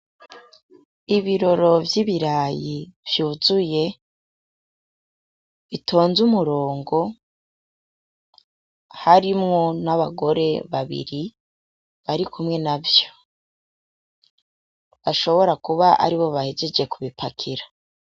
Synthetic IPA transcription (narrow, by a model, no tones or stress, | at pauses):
iβiɾo̞ɾo̞vjiβiɾaːjiv̥juːzuje̞ | βitʰo̞ːnzumuɾo̞ːŋɡo̞ | haɾimŋo̞naβaɡo̞ɾe̞βaβḭɾi | βaɾikʰumŋe̞navjo̥ | βaʃo̞βo̞ɾakuβaʔa̰ɾiβo̞βahed͡ʒe̞d͡ʒe̞kuβipakʰiɾḁ